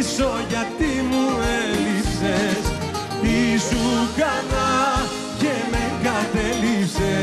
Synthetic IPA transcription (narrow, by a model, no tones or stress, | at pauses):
soʝat̪imuelipses | isukanal | kemeŋkat̪elipse